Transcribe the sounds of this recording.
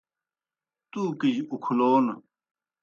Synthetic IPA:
t̪uːkid͡ʑukʰuloːn

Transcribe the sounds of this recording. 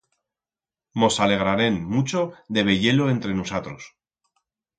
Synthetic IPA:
mo̞sale̞ɣ̞ɾane̞nmut͡ʃo̞ðe̞β̞e̞ʝe̞lo̞e̞nt̪ɾe̞nusat̪ɾo̞s

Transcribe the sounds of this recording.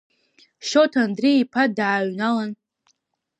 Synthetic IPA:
ʃotʰandriipʰadaʕːɥnalan

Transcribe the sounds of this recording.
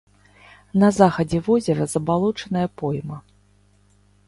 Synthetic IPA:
nɐzaxɐd͡zʲɛvɔzʲɛɾɐzɐbalˠut͡ʂɐnɐjɐpɔjmɐ

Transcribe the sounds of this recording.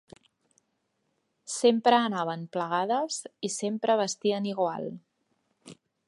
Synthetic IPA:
sempɾəːnaβ̞əmpləɣ̞aðəzisempɾəβ̞əst̪iəniɣwa̰lˠ

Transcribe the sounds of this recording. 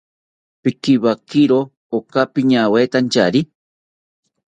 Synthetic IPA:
pikibakiɾo | okapiɲaweːt̪ant͡ʃaɾi

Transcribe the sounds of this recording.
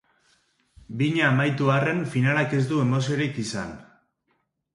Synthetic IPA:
biɲaːmajt̪uare̞nfinalake̞zd̪ue̞mo̞s̬io̞ɾikisan

